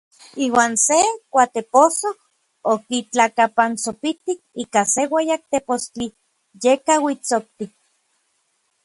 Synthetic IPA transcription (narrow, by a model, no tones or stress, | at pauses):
iːwaːnsekʷat̪eposoh | okit͡ɬakapant͡sopit̪ik̚iːkasewejak̚t̪epost͡ɬi | jekawit͡sok̚t̪ik̚